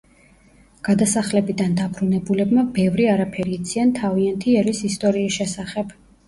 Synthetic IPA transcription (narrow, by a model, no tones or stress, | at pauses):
ɡ̥ad̪asaχlɛbid̪and̪abɾunɛbulɛbmabɛvɾiaɾapʰɛɾiːt̪sʰiant̪ʰaviant̪ʰiɛɾisist̪ʼɔɾiːsʃɛsaχɛb̥